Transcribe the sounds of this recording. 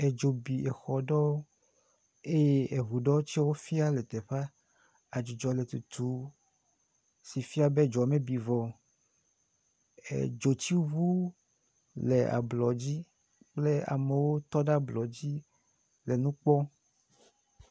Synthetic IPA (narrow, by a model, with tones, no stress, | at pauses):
e˨d͡ʒo˨bi˨ʔe˨xɔ˨ɖɔ˦wo˦ | e˦je˦e˨ɦu˨ɖɔ˦t͡ɕi˦wo˦fi˦a˦lɛ˨t̪ɛ˨ɸa˦ | a˨d͡ʒi˨d͡ʒɔ˨le˨t̪u˨t̪u˨˦ | si˨fi˦a˦be˦d͡ʒɔ˨a˨mẽ˦bi˨vɔ˨ | ḛ˨d͡ʒo˨t͡ɕi˦βu˦ | lḛ˨a̰˨blɔ˨d͡ʑi˦ | k͡ple˦a̰˨me˨wo˦t̪ɔ˦ɖa˦blɔ˨d͡ʑi˦ | le˨nũ˦k͡pɔ˦